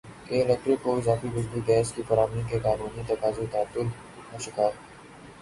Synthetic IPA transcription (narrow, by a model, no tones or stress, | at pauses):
eɪlɛk̚ʈɾɪkːoɪzaːfiɡʊzbiɡɛːskifɐɾaːmniːkekaːnuːnit̪ɐkaːzet̪aːt̪ːʊl | oʃɪkaːɾ